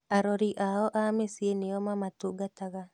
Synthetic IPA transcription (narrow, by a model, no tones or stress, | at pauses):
aɾɔɾiʔaɔʔamesieneɔmamatuɡataɣa